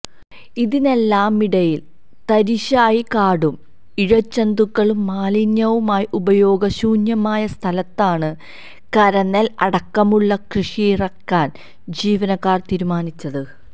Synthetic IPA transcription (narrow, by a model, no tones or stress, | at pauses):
iðine̞lːaːmiɽɐjil | t̪ɐɾiɕaːjikaːɽum | iɻɐt͡ɕːɐnd̪ukːɐɭumːaːliɲjɐʋumaːjiʔubɐjo̞ːɡɐɕuːnjɐmaːjɐst̪ʰɐlɐt̪ːaːɳɨ | kɐɾɐnːɐlɐɽɐkːɐmuɭːɐkrɨʂijrɐkːaːn | d͡ʑiːʋɐnɐkːaːrt̪iːɾumaːnit͡ɕːɐðɨ